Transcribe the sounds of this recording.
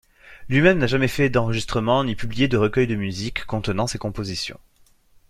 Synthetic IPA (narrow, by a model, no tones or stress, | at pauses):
lɥimɛmnaʒamɛfɛd̪ɑ̃ʁəʒist̪χəmɑ̃nipyblijed̪əʁəkʲœjd̪əmyzikːɔ̃t̪ənɑ̃sekɔ̃pozisjɔ̰̃